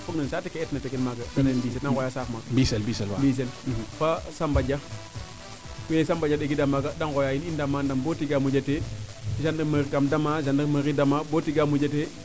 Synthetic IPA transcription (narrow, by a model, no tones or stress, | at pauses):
fuɡnansatikeɛtnatikilmaɡadanabis̬edankojasafmaɡabiselbiselwambis̬elfasambad͡ʒa | kujesambad͡ʒadeɡidamaɡadankojainindamandambotiɡamud͡ʒateiʃandəmɾikamdamaʃ̬andəməɾidamabotiɡamud͡ʒate